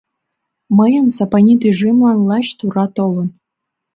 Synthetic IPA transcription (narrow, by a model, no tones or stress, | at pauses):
məjɤ̆nsɑpɑnʲid̪yʐimlɑnlˠɑɕt̪uɾɑt̪olə̆n